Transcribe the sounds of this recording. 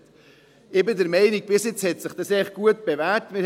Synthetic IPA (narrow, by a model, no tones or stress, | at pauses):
t | ɪbɪdəɾmɛɪnik̚bɪsjɪt͡shɛtsɪχd̥ɑsɛχ̚ɡ̥uət̚b̥evætmɪɾ